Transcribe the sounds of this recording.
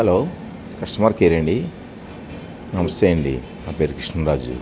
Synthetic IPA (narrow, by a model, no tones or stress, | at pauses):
ɦɐloː | kɐʂʈɐmaːɾkeːɾeɳɖi | nɐmɐseːɳɖḭ | naːpeːɾkɾiʂɳɐnɾaːd͡ʒṵ